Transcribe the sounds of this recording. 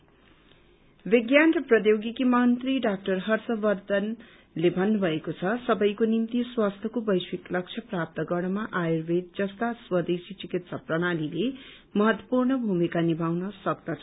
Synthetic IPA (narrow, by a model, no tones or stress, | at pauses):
beɡjanrʌprʌd̪joɡikimʌnt̪riɖak̚ʈʌrɦʌrsʌbʌrd̪ʌn | lebʱʌnːubʱʌekot͡sʰʌsʌbʌjkonimt̪iswast̪ʰjʌkobʌjswiklʌk̚t͡ʃʰʌprap̚t̪ʌɡʌɽ̃ʌmaʔajirbet̪̚d͡zʌst̪aswʌd̪esit͡sikit̪sʰʌprʌɽ̃alile | mʌɦʌt̪wʌpurnʌbʱumikanibʱawnʌsʌkd̪ʌt͡sʰʌ